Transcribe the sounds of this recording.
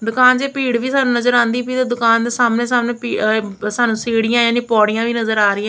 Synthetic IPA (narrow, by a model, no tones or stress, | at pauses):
d̪ʊkaːnd͡ʒeːpiːɽʋiːsaːnũːnəzəɾãːnd̪iːpiːt̪oːd̪ʊkaːnd̪eːsaːmnẽːsaːmnẽːpiːsaːnũːseːɽɪjãːjaːniːpɔːɽɪjãːʋiːnəzəɾaːɾɪːɛ̃ː